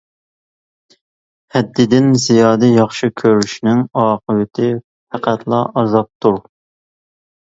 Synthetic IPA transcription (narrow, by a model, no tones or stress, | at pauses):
hɛd̪ːɪd̪ɪnzijɑːd̪ɪjɑχʃɨkʲʰøɾyʃnɪŋɑːqʰəvɪt̪ʰɪ | fæqæt̪ʰlˠɑ̰ʔɑzɑp̚t̪ʰuɾ